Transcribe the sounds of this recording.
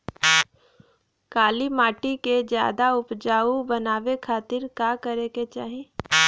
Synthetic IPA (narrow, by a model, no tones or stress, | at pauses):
kaːlimaːʈiked͡ʒja̰ːd̪aʊpd͡ʒaːubɐnaːʋekʰaːt̪ɪɾkaːkəɾeket͡ʃaːɦie